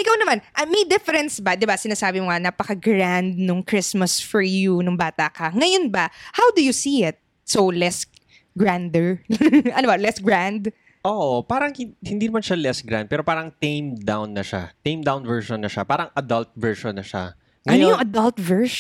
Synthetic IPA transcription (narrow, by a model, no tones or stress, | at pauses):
ʔɪkawnɐmanʔɐmɐjd̪ɪfɛɾɛnsbɐd̪ɪbasɪnaːsaːbɪmoŋanaːpɐkɐɡɾand̪̚nʊŋkɾɪsmɐsfɔɹjunʊŋbaːt̪akɐŋɐjonbɐhawd̪ʊjʊsiɪt̪̚ | sowlɛs | ɡɹand̪ɛɹʔɐnobɐlɛsɡɹãnd̪ | ʔoʔopaːɾɐŋhɪhɪnd̪iːnɐmanʃalɛsɡɾa̰nd̪̚pɛːɾopaːɾɐŋt̪ejmd̪awnːɐʃa̰t̪ejmd̪awnvɛɹʃonːɐʃapaːɾɐŋʔɐd̪ɐlt̪̚vɛɹʃonːɐʃa̰ | ŋɐnjojʊŋʔɐd̪ɐlt̪vɛɹʃ